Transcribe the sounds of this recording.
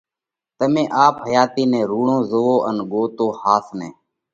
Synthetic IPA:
t̪əmẽːʔaːpɦəjaːt̪iːnẽːɾuːɳõːzəʋoːʔənɠoːt̪oːhaːsnḛ̃ː

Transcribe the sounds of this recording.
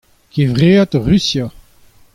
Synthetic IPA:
kevʁeːat̪ʁysja

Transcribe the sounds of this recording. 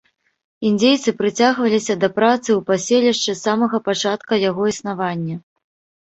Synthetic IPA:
indd͡zʲejt̪sɨpɾɨt͡sʲaɣvɐlʲisʲɐd̪ɐpɾat̪sɨwpasʲelʲiʂt͡ʂɨsamɐɣɐpat͡ʂat̪kɐjaɣɔisnavanʲːɐ

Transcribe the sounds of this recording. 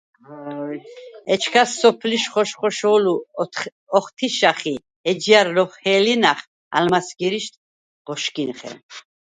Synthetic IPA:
ɔjɛt͡ʃʰkʰasːɔpʰliʃχɔʃχɔʃɔlu | ɔχt̪ʰiʃaχi | ɛd͡ʒiaɾːɔχhɛːlinaχ | a̰lmasɡiɾiʃt̪ | ʁ̥ɔʃkinχɛ̰

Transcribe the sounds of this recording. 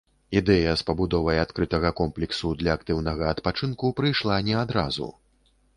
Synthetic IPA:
id̪ɛjɐspɐbud̪ɔvɐjat̪kɾɨt̪ɐɣɐkɔmplʲɛksud̪lʲɐːk̚t̪ɨwnɐɣɐːt̪pat͡ʂɨnkupɾɨjʂlˠanʲɛad̪ɾa̰zṵ

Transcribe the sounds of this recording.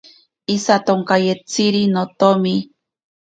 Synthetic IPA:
isat̪oŋkajet͡siɾinot̪omi

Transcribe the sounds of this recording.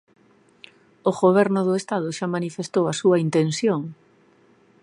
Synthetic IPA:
oɣoβ̞ɛɾnʊðʊest̪að̞ʊʃamanifest̪owɐsuɐint̪ensjoŋ

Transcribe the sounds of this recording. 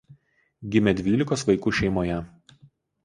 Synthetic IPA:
ɡʲɪmʲɛd̪ʲʋʲiːlʲɪkoːsʋɐɪkuːʃʲɛɪmoːjɛ

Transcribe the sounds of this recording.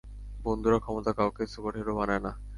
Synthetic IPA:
bond̪ʱuɾakʰɔmot̪akaokesubaʈʰeɾobanaena

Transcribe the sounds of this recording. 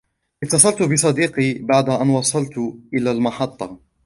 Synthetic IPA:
ʔɪt̪ːɑsˤɑlt̪ʊbɪsˤɑd̪iːqiːbaʕd̪aʔanwɑsˤɑlt̪ʔɪlaːlmɑħɑt̪ˤːɑ

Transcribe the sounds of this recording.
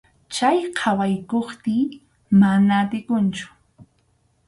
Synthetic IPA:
t͡ʃajqʰɑwajkoχt̪ɪ | manaːt̪ɪkʊnt͡ʃʊ̥

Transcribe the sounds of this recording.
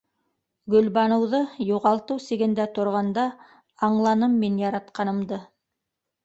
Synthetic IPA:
ɡɵ̆lβɑnɤ̆wðɤjuʁɑlˠt̪ɤwsĭɡɘ̆nd̪æt̪ŏɾʁɑnd̪ɑ | ɑɴlˠɑnɤmːinjɑɾɑt̪qɑnɤ̆md̪ɤ

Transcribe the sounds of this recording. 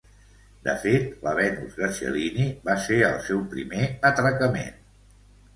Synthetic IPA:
d̪ə̰fet̪ləβɛnṵzɣəsjə̰liniβaseə̰lˠsɛwpɾḭmeət̪ɾəkəmḛn

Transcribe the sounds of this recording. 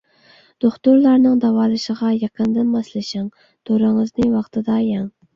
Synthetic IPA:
d̪̥oχt̪uɾlˠɑɾnɨŋd̪ɑwɑːlˠɨʃəʁɑjɑqʰənd̪ɨnmɑslˠɪʃɪŋ | d̪̥oɾɨŋəznɨwɑqt̪ʰɨd̪ɑjɑŋ

